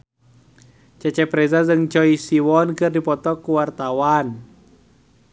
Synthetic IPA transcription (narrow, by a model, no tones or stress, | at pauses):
t͡ʃɛt͡ʃɛpɾɛzazɨŋt͡ʃɔisiwɔnkɨrdipɔt̪ɔkuwart̪awan